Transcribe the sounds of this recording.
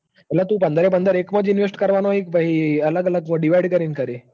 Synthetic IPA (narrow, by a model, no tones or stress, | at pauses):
ɛlat̪ũːpənd̪ʱɾep̬ənd̪əɾekməd͡zinʋesʈkəɾʋanoɦikʋəɦiələɡələɡməɖiʋajɖkəɾiːnkəɾe